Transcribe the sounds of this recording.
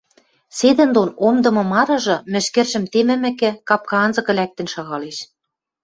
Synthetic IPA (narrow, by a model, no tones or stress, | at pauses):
sed̪ɘ̆nd̪onomd̪ɤ̆mɤ̆mɑɾɤ̆ʒɤ̆mɘ̆ʃkĕrʃɘ̆mt̪emɘ̆mɘ̆kɘ̆kɑp̚kɑɑnzɤ̆kɤ̆læk̚t̪ɘ̆nʃɑɣɑleʃ